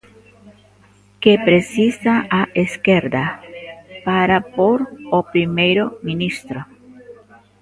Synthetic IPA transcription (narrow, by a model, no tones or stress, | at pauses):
kepɾesisaaeskeɾd̪a | paɾapoɾopɾimejɾominist̪ɾo